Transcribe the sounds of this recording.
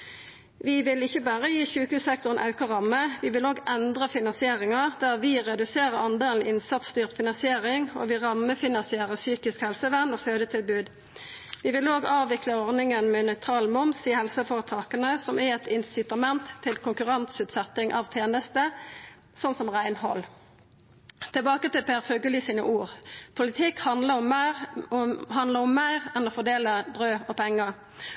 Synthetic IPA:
ʋɪʋɪlɪçəbæːʁəjiːçʉːkʉːsɛk̚t̪ɔʁənʔɑ̰ʉkəʁɑməʋɪʋɪloːɡɛnd̪ʁəfɪnɑnsɪeːʁɪŋɑd̪æʁʋɪʁɛd̪ʉseːʁəʁɑnd̪eːln̩ɪnsɑt̪st̪yːʁt̪fɪnɑnsɪeːʁɪŋo̰ːʋɪʁɑmːəfɪnɑnsɪeːʁəsyːkɪskhɛlsəʋænoːføːd̪ət̪ʰɪlbʉːd̪ | ʋɪʋɪloːɡɑːʋʋɪkləɔʁnɪŋənmɛnœʏt̪ʰʁɑːlmʊmsiːhɛlsəfɔːʁət̪ʰɑːkənəsɔmæɛt̪ɪnsɪt̪ɑmɛnt̪ʰːɪlkʰʊŋkʉʁɑnt̪sʉːt̪sɛt̪ːɪŋʔɑːʋt̪ʰeːnəst̪ə | sɔnsɔmʁæɪnhɔ̰l | t̪ʰɪlbɑːkət̪ɪlpʰeːʁføɡəlɪsiːnəʔuːʁpʰʊlɪt̪ʰɪkhɑnd̪ləʁɔmːæʁ | ɦɑnd̪ləʁʊmːæɪʁɛnoːfɔd̪eːləbʁøːɔpʰɛŋːə

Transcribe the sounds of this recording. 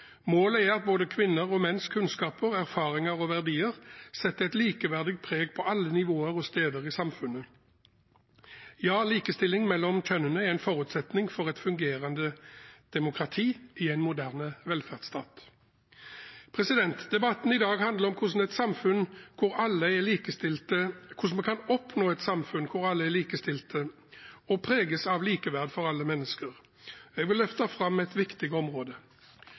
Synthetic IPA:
moːləɛɑt̪̚boːd̪əkʰʋɪnːəʁɔmɛnskʰʉnskɑːpəʁæʁfɑːʁɪŋəʁɔʋæʁd̪iːəʁsɛt̪ːəɛɪt̪liːkəʋæʁd̪ɪɡ̚t̪̚pʰʁeːɡpʰɔʔɑlːənɪʋoːəʁɔst̪eːd̪əʁɪsɑmfʉnə | jɑːliːkəst̪ɪlːɪŋmɛlːɔmt̪ʰœnənəæʁɛɪnfɔʁʉːt̪sɛt̪nɪŋfɔʁɛt̪fʉŋɡeːʁɑnd̪əd̪̥ɛmʊkʁɑt̪ʰiːɪɛɪnmʊd̪æʁnəʋɛlfæʁd̪st̪ʰɑ̰ːt̪ | pʰʁɛsɪd̪ɛnt̪d̪ɛbɑt̪n̩ɪd̪ɑːɡhɑnd̪ləʁɔmkʰʊs̬m̩ɛɪt̪sɑmfʉnkʰʊɾɑlːəɛliːkəst̪ɪlt̪əkʰʊsn̩mɛkʰɑnɔpnoːɛt̪sɑmfʉnkʰʊɾɑlːəɛliːkəst̪ɪlt̪ʰə | ɔpʰɾeːɡəsɑʋliːkəʋæʁd̪fɔʁɑlːəmɛnːəskəʁ | jɛɡʋɪlːœft̪ɑfʁɑmːɛt̪ʋɪkt̪ɪɡəɔmʁoːd̪ə

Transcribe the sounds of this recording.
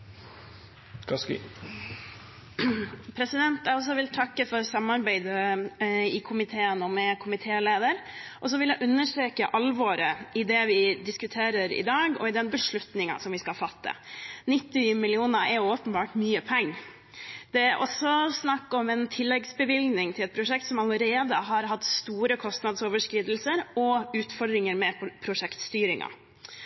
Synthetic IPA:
kʰɑskɪ̰ | pʰɾɛsɪd̪ɛnt̪jæɔs̬ɔʋɪlt̪ʰɑkːəfɔɾsɑmɑɾbæɪd̪ə | ɪkʰʊmɪt̪ʰeːənɔmɛkʰʊmɪt̪ʰeːleːd̪əɾʔɔs̬ɔʋɪljæɪʔʉnːəʂt̪ɾeːkəʔɑlʋoːɾəɪd̪ɛʋɪd̪ɪskʉt̪ʰeːɾəɾɪ̰d̪ɑːɡɔ̰ɪd̪ɛnbəʂɭʉt̪nɪŋɑ̰sɔmʋɪskɑfɑt̪ːə̰nɪt̪ːɪmɪlɪuːnəɛɾoːpənbɑːʈmyːəpʰɛŋː | d̪̥ɛɾʔɔ̰sɔsnɑkːɔmɛnt̪ʰɪlːɛɡsbəʋɪlɡnɪŋt̪ʰɪlɛt̪̚pʰɾʊʂɛk̚t̪sɔmɑləɾeːd̪əɦɑɾɦɑt̪st̪uːɾəkʰɔst̪nɑd̪soːʋəʂkɾiːd̪əl̩səɾɔʉːt̪fɔɖ̪ɾɪŋəɾmɛpʰɾʊʂɛkt̪st̪yːɾɪŋʔɑ̰

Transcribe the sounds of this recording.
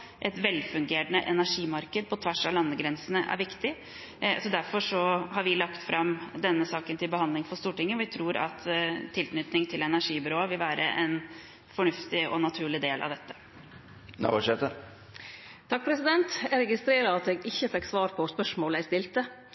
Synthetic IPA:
ʔɛt̪ʋɛlfʉŋɡeːɾənəʔɛnæʂiːmɑɾkəd̪̚pʰɔt̪ʰʋæʂɑlɑnːəɡɾɛnsənəʔæ̰ɾʋɪkt̪ɪ | sɔd̪æɾfɔʂɔhɑɾʋɪlɑkt̪fɾɑmd̪ɛnːəsɑːkənt̪ʰɪlbəhɑnd̪ɪŋfɔst̪uːʈɪŋːəɔʋɪt̪ʰɾuːɾɑ̰t̪t̪ʰːɪlknʏt̪nɪŋt̪ʰɪlɛnæʂiːbʏɾoːəʋɪlʋæːɾə̰ʔɛn | fɔɳʉft̪ɪɔnɑt̪ʰʉːɭɪd̪eːlʔɑ̰ʋd̪ɛt̪ːə̥ | nɑ̰bɔʂet̪əɾ | t̪ʰɑk̚pʰɾɛsɪd̪ɛnt̪ɛɾɛɡɪst̪ɾeːɾɑɑt̪ɛːɡɪçːəfɛksʋɑːɾpʰɔspœʂmoːlæɪst̪ɪlt̪ə

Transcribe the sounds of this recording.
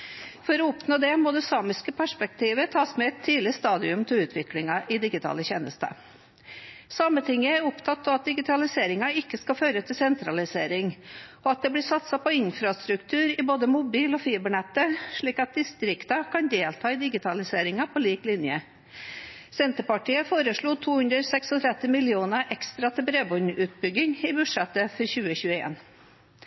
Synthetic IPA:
fɔɾɔʊpnoːd̪ɛmoːd̪ɛsɑːmɪskəpʰæʂpɛk̚t̪ʰiːʋət̪ʰɑːsmɛɛt̪ʰːiːlɪst̪ɑːd̪ɪʉmt̪ʰɪlʉːt̪ʰʋɪklɪŋɑʔɪd̪ɪɡɪt̪ʰɑ̰ːləçeːnə̰st̪ə̰ | sɑmːət̪ʰɪŋːəæɾʊpt̪ʰɑt̪ːɑʋɑt̪̚d̪ɪɡɪt̪ʰɑlɪseːɾɪŋɑɪkːəskɑføːɾət̪ʰɪlsɛnt̪ɾɑlɪseːɾɪŋɔɑt̪̚d̪ɛblɪsɑt̪sɑpʰɔɪnfɾɑst̪ɾʉkt̪ʰʉːɾɪboːd̪əmʊbiːlɔfiːbəɳɛt̪ːəʂɭiːkɑt̪̚d̪ɪst̪ɾɪkt̪ɑkʰɑnd̪eːlt̪ʰɑːɪd̪ɪɡɪt̪ʰɑlɪseːɾɪŋɑpʰɔliːklɪnjə | sɛnt̪əɾpɑʈʰiːəfoːɾəʂɭuːt̪ʰuːhʉnd̪ɾəɾsɛksɔt̪ʰɾɛt̪ːɪmɪlɪuːnəʔɛkst̪ɾɑt̪ʰɪlbɾeːbɔnəʔʉːt̪̚bʏɡɪŋɪbʉ̥ʂɛt̪ːəfɔɾçʉːəçʉːəḛːn

